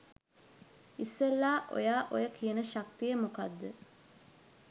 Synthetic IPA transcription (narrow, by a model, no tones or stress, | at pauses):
isːelːaːʔo̰jaːʔo̰jəkijənəʃak̚t̪ijəmokad̪ːə